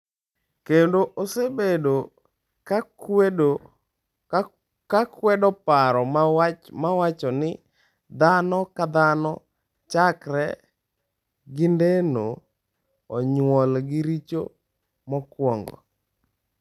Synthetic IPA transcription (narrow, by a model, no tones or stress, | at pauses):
kendoʔosebedo | k | kakwɛdɔpaɾɔmmawat͡ʃɔnɪ | d̪anɔkad̪anɔ | t͡ʃakɾɛ̰ | ɡɪndenoː | ɲwɔlɡɪɾit͡ʃo̰ | mɔkwɔŋɡɔ̰